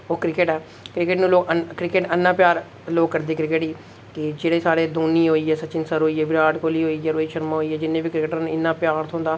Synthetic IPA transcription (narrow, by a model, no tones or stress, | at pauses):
oːkɾɪkeːʈɛː | kɾɪkeʈnũːloːkəkɾɪkeʈənːaːpjaːɾ | loːkːəɾd̪eːkɾɪkeːʈiː | kɪd͡ʒeːɽeːsaːɽeːd̪oːniːɦoːiːɛːsət͡ʃɪnsəɾɦoːiːɛːbɪɾaːɖkoːliːɦoːiːɛːɾoːiːʃəɾmãːɦoːiːɛːd͡ʒɪnːẽːʋiːkɾɪkəʈəñːɪnːãːpjaːɾt̪ʰõːnd̪aː